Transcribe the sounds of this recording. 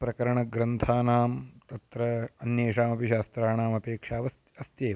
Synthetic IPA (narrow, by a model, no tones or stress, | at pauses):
pɾɐkɐɾɐɳɐɡɾɐnt̪ʰaːnaːmt̪ɐt̪ɾɐːnjeːʃaːmɐpiʃaːst̪ɾaːnaːmɐpeːkʂaːʋɐɐst̪jeː